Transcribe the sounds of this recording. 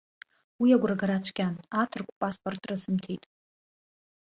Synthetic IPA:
wiaɡʷraɡaɾat͡ʃʷʰkʲʼanatʰɨrkʷʰʼpʼaspʼortʼrasɨmtʰejtʼ

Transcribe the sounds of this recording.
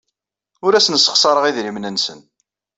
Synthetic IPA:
ʊɾæsnəsːə̥χsˤɑɾˤəʁiðɾimnənsə̰n

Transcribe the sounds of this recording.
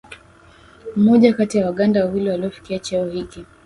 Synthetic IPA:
m̩mɔʄakatijawaɠandawawiliwaliɔfi̥kiat͡ʃɛɔhiki

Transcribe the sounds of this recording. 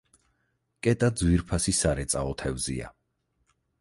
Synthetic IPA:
kʼɛt̪ʼad̪zwiɾpʰasisaɾɛt̪sʼaɔt̪ʰɛvzḭa̰

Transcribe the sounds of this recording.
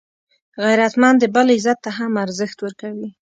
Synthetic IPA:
ɣajɾat̪mand̪əbalizat̪ːaɦamaɾzəxt̪wəɾkawi

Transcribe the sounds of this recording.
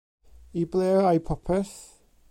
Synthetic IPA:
iblɛːajpʰɔpʰɛθ

